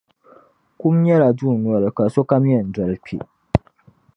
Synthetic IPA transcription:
ku˦mɲɛ˦la˨duː˦˨nwɔ˨ɾɨ˨ka˨so˦ka˦m˦ɛ˨n̩˨dɔ˨lk͡pʰḭ˨

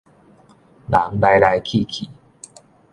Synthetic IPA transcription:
la˨˦ŋla˧jla˧jkʰi˥˧˨kʰi˨˩˦

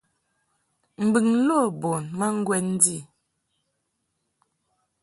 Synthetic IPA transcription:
m̩˨bi˨ŋ̩˦lo˦˨bo˨nma˦ŋ̩˦ɡwɛ˦n̩˦di˦˨

